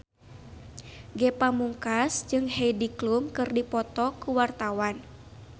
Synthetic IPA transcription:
ɡɛpamuŋkasd͡ʒɨŋhejdiklumkɨrdipɔt̪ɔkuwart̪awan

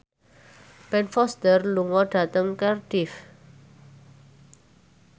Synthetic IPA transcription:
b̥ɛnfɔst̪ərluŋɔɖ̥a̤t̪əŋkərd̥ɪf

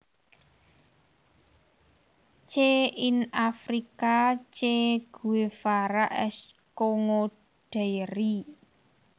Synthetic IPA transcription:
t͡ʃeinafɾikat͡ʃeɡ̥ṳwefaɾaʔɛ̰s | koŋo | ɖ̥e̤ɾi

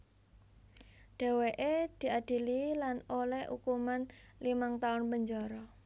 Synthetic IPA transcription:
ɖ̥ɛ̤weʔed̪̥i̤ad̥i̤lilanolɛhṵkumanlimaŋt̪aʊnbəɲd͡ʒɔɾɔ

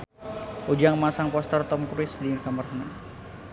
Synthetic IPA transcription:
ʔud͡ʒaŋmasaŋpɔst̪ərt̪ɔmkɾuɪsdirkamərhəna

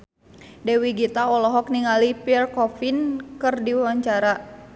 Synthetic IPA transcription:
dɛwiɡit̪aɔlɔɦɔk̚niŋalipiɛrkɔfinkɨrdiwaɲt͡ʃaɾa

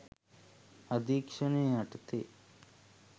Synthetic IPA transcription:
ɐd̪ikʂɐneɐʈt̪e

